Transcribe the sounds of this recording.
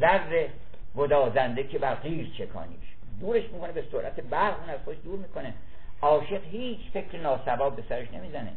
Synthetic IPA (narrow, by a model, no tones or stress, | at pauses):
zærːe | ɡod̪ɒːzænd̪ekʰebæɾɢiːɾt͡ʃʰekʰɒ̰ːnḭːʃ | d̪uːɾe̞ʃmiːkʰo̞ne̞besoɾʔæt̪ʰe̞bæɾʁuːnæz̥xod̪eʃd̪uːɾmiːkʰo̞ne | ʔɒːʃe̞ɢhiːt͡ʃʰfe̞cʰɾenɒːsæbɒːbːe̞sæɾeʃne̞miːzænḛ